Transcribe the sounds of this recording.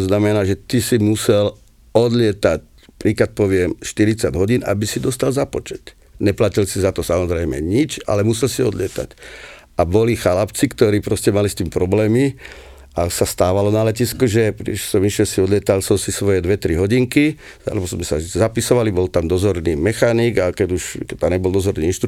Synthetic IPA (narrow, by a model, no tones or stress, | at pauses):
znamɛnaːʒɛt̪isimusɛl | ɔd̪lɪɛt̪ac | pɾiːkat̪̚pɔʋɪɛmʃt̪iɾit͡saɟɦɔɟiːnʔa̰bisid̪ɔst̪alzapɔt͡ʃɛt̪ | ɲɛplacilsizat̪ɔsamɔzɾɛjmɛ̰ɲit͡ʃa̰lɛmusɛlsiɔd̪lɪɛt̪a̰c | abɔlixalapt͡sikt̪ɔɾiːpɾɔscɛmalist̪iːmpɾɔblɛːmi | asast̪aːʋalɔnalɛciskuʒɛpɾisɔmiʃɛlsiɔd̪lɪɛt̪alsɔmsisʋɔjɛd̪ʋɛt̪ɾiɦɔɟiŋki | a̰lɛbɔzmɛsazapisɔʋalibɔlt̪amd̪ɔzɔɾniːmɛxaniːɡakɛɟuʃt̪ɛd̪aɲɛbɔld̪ɔzɔɾniːinʃt̪ɾ